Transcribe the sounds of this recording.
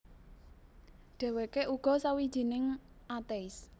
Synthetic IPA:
ɖ̥ɛ̤wekeʔuɡ̥ɔ̤sawid̥ʒ̥i̤nɪŋ | ʔat̪eis

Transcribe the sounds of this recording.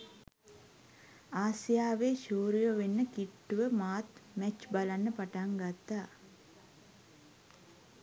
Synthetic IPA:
aːsijaːʋeːʃuːɾijoʋenːəkiʈːuʋəmaːt̪mɛt͡ʃbalanːəpaʈaŋɡat̪ːa

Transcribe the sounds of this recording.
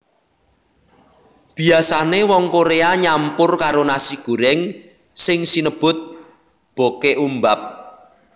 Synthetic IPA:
b̥i̤asanewɔŋkoɾeaɲampʊrkaɾonasiɡ̥ṳɾɛŋ | sɪŋsinəb̥ʊ̤t̪̚ | b̥o̤keʔumbap̚

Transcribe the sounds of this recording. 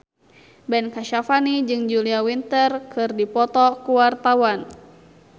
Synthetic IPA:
bɛnkaʃafanid͡ʒɨŋd͡ʒuliawint̪ərkɨrdipɔt̪ɔkuwart̪awan

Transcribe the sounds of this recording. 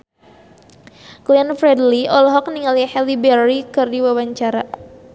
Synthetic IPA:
klianfɾɛdliɔlɔɦɔk̚niŋalihɛlibɛrːikɨrdiwawaɲt͡ʃaɾa

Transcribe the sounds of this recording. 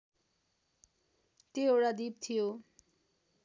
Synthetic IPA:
t̪eoɽad̪ip̚t̪ʰijo

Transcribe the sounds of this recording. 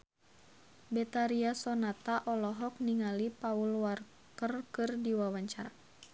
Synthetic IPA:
bɛt̪aɾiasɔnat̪aʔɔlɔɦɔk̚niŋalipaulwar | kərkɨrdiwawaɲt͡ʃaɾa

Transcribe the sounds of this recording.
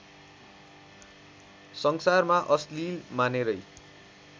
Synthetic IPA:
sʌŋsarmaʔʌslilmaneɾʌj

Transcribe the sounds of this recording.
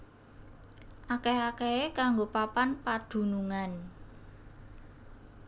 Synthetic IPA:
ʔakeakeekaŋɡopapanpad̪̥ṳnuŋan

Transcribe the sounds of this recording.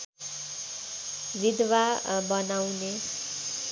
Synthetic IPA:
βid̪wabʌnawne

